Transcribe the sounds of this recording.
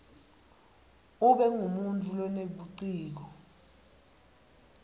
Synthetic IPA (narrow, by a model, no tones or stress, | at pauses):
uɓɛŋumuntʰʼulɔneɓuǀiːk̬ɔ